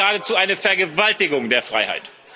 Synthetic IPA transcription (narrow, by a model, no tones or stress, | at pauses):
aːdət͡suːaɪnəfɛɐɡəvaltɪɡʊŋdeːɐfʁ̥a̰ɪha̰ɪt